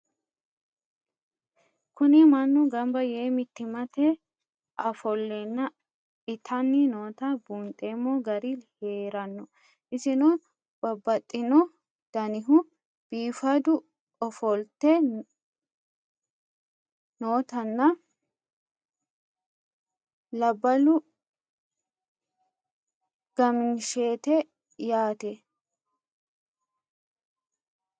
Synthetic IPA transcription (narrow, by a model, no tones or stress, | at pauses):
kʊnɪmɐnːʊɡɐmbɐjeːmɪt̪ːɪmɐt̪ɛ | ʔɐfɔlːɛnːɐ | ɪt̪ʰɐnːɪnoːt̪ɐbunt̪ʼːeːmːɔɡɐɾiheːɾɐnːɔ | ʔɪsɪno | b̥ɐbːɐt̪ʼːɪnɔ | d̪̥ɐnɪɦʊ | b̥iːfɐd̪ʊ | ʔɔfɔlt̪ɛ | noːt̪ɐnːɐ | lɐbːɐlʊ | ɡ̥ɐmɪnʃeːt̪ɛ | jaːt̪ɛ